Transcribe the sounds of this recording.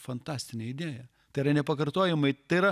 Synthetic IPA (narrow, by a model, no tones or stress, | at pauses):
fɐnt̪ɑːsʲt̪ʲɪnʲɛɪd̪ʲeːjɛ | t̪ɐɪɾɐnʲɛpɐkɐɾt̪oːjɛmɐɪt̪ɐɪɪɾɐ